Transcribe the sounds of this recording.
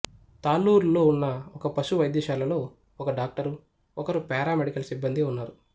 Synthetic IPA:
t̪aːluːɾlo̞ːunːɐɔkɐpɐʃuʋɐjd̪ɛːʃaːlɐlo̞ː | ɔkɐɖaːk̚ʈɐɾu | ɔkɐɾupɛːɾaːmeɽikɐlɐsibːɐnd̪iunːaːɾu

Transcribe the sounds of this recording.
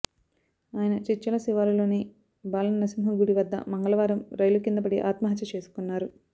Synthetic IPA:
aːjɐnɐt͡ʃit͡ʃːɐlɐsiʋaːɾulo̞ːni | baːlɐnnɐsimɦɐmɡuɽiʋɐd̪ːɐ̰mɐŋɡɐlɐʋaːɾɐmɾɐjlukind̪ɐpɐɽiʔaːt̪mɐɦɐt̪jɐt͡ʃe̞ːsu̥kunːaːɾu

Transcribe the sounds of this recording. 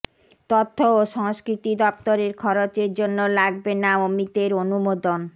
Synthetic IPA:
t̪ot̪ʰːooʃɔŋskɾit̪id̪ɔp̚t̪oɾeɾkʰɔɾot͡ɕeɾd͡ʑonːolaɡbenaomit̪eɾonumod̪on

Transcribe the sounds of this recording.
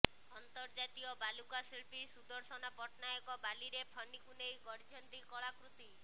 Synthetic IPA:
ɔnt̪ɔɾd͡ʒat̪iɔbalukasiɭpisud̪ɔɾsɔnapɔʈnajɔkɔbaliɾepʰɔɳɖikunejɡɔɾd͡ʒʱɔnt̪ikɔɭakɾut̪i

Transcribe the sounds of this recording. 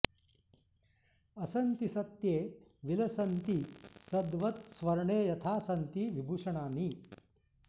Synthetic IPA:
ɐsɐnt̪isɐt̪jeːʋilɐsɐnt̪isɐd̪ʋɐt̪sʋɐɾɐɳeːjɐt̪ʰaːsɐnt̪iʋibʱuːʂɐɳaːni

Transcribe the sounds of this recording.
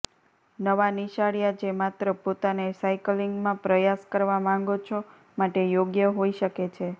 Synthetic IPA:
nəʋaniʃaɭjad͡ʒemat̪ɾəpot̪anesajkliŋɡmãpɾəjaskəɾʋamãŋɡot͡ʃʰo | maʈejoɡjəɦoiʃəket͡ʃʰe

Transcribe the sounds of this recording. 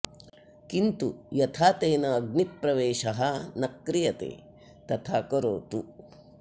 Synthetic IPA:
kint̪ujɐt̪ʰaːt̪eːnɐːɡnipɾɐʋeːʃɐɦɐnɐkːɾijɐt̪ḛː | t̪ɐt̪ʰaːkoɾoːt̪u

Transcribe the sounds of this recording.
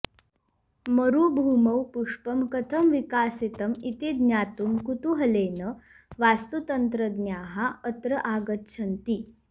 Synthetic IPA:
məɾubʱuːmɐwpuʂpəmkət̪ʰəmʋikaːsit̪əmit̪id̪njaːt̪uːmkut̪uɦɐleːnə | ʋast̪ut̪ənt̪ɾəd̪njaɦaət̪ɾəʔaːɡət̪̚ɕʰənt̪i

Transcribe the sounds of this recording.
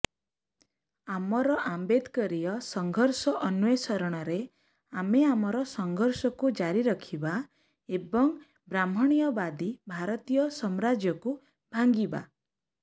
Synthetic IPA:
amɔɾɔʔambed̪kɔɾijɔsɔŋɡʱɔɾsɔʔɔnuesɔɾɔɽ̃ɔɾe | ameamɔɾɔsɔŋɡʱɔɾsɔkud͡ʒaɾiɾɔkʰiba | ebɔŋ | bɾam̤ɔɽ̃ijɔbad̪ibʱaɾɔt̪ijɔsɔmɾad͡ʒjɔku | bʱaŋɡiba̰

